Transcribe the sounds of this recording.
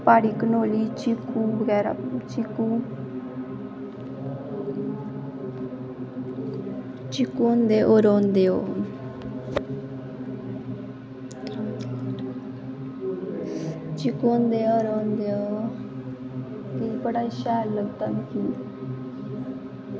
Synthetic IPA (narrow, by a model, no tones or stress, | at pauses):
paːɽiːkənoːliːt͡ʃɪkːuːbəɡɛːɾa̰t͡ʃɪkuː | t͡ʃɪkuːnd̪eːʔoːɾoːnd̪eːo̰ː | t͡ʃɪkoːnd̪eːoːɾoːnd̪eːoː | kibəɽaːʃaːlləɡt̪aːnkiː